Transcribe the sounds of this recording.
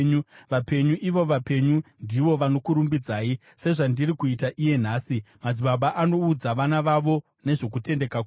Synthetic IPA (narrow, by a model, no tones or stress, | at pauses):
ʋape̞ɲuʔiʋo̞ʋape̞ɲundiʋo̞ʋano̞kuɾumbid͡zaːi | se̞ʐandirikuitaʔije̞n̤aːsimad͡ziɓaɓaʔano̞ud͡zaʋanaʋaʋo̞ | ne̞ʐo̞k̬ute̞ndekakː